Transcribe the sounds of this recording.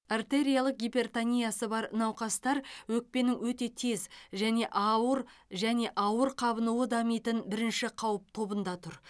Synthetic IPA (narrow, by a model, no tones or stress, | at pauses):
ert̪e̞ɾʲijalˠəq̚ɡʲipʲe̞rt̪anʲijasəbɑɾənɑwqɑst̪ɑɾwɵk̚pe̞nɪŋwɵt̪e̞t̪ʰe̞zʒæne̞ʔɑwəɾʒæne̞ʔɑwəɾqʰɑbənuwəd̪ɑmijt̪ənbɪɾɪnʃɪqʰɑwəp̚t̪ʰo̞bənd̪ɑt̪ʰʊɾ